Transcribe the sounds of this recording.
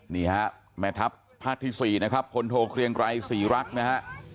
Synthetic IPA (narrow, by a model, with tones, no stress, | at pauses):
niː˥˩ha˦˥ʔ | mɛː˧˥t̪ʰa˦˥p̚ | pʰːaː˥˩k̚t̪ʰiː˥˩siː˨˩na˦˥kʰa˦˥p̚ʰːo˧nt̪ʰoː˧kʰɾi˧əŋɾa˧jsiː˩˦ɾa˦˥k̚na˦˥ɦa˦˥ʔ